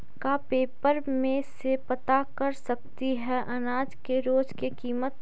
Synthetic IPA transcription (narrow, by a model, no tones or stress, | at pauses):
kapeːpəɾmẽsepɐt̪akɐɾsɐk̚t̪iɦɛʔɐnaːd͡ʒkeɾoːd͡ʒkekiːmət̪